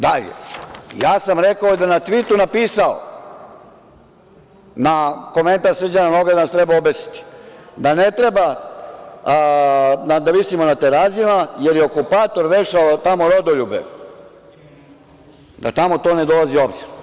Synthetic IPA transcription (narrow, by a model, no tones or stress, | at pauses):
d̪aʎḛjaːsamɾekaod̪anat̪ʋit̪unapiːsao̰ | nako̞me̞nt̪aɾsr̩d͡ʑananoɡad̪anast̪ɾebaobesi̥t̪i̥d̪anet̪ɾeba | nad̪aʋisimo̞nat̪eɾazimajeɾjeokupaːt̪o̞ɾɾeʃaot̪amoɾod̪oʎubḛ | d̪a̰t̪amo̞t̪o̞ːne̞d̪o̞lazio̞bziɾ